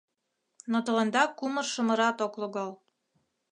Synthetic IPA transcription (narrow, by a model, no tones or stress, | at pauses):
not̪ŏʁɤ̆nd̪ɑkumɤ̆rʃɤ̆mɤ̆ɾɑt̪oklˠoɣɑlˠ